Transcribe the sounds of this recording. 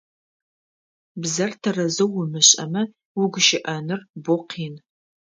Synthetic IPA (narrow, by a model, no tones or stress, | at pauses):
bzɐrtʰɐrɐzɐwːʊmɨɕʼɐ̰mɐ | wʊɡʷʊʃɪʔɐnɨrbʊqʰiːn